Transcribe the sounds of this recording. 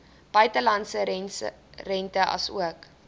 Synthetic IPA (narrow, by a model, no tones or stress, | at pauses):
b̥œɥtəlɐnsə | rɛntəʔɐ̰suək